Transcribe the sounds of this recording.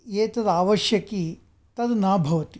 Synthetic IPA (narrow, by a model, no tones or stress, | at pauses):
eːt̪ɐd̪ɐaːʋɐʃjɐki | t̪ɐd̪ɐnaːbʱɐʋɐt̪i